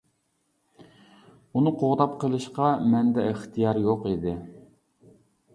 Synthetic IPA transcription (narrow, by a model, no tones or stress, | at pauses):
unɨqʰoʁt̪ɑp̚qʰəlˠɨʃqɑmɛnd̪ɛəχt̪ʰijɑɾjoqid̪ɪ